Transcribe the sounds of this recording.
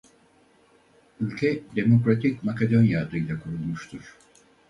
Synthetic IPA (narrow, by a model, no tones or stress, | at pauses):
ylʲcʰɛd̪e̞mo̞kɾat̪ʰicmakad̪o̞njad̪ɯjlʲakʰuɾulˠmuʃt̪ʰuɾ̥